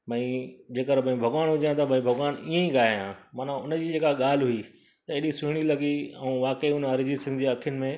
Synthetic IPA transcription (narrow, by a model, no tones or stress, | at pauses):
bɐ̃ĩd͡ʑeːkəɾbʱɐ̃ĩbʱɐɡʋaːnɦʊd͡ʑãt̪ɐbʱɐ̃ĩbʱɐɡʋaːniːẽĩɡaːɦjãːmaːn̤ãʊnd͡ʑiːd͡ʑeːkaɠaːl̤ɦʊi | t̪ɐeːɗisʊɪɽ̃ilɐɡiɛ̃ũʋaːkəiʊnɐɾɪd͡ʑisɪ̃nd͡ʑeɐkʰijʊnɪ̆mẽ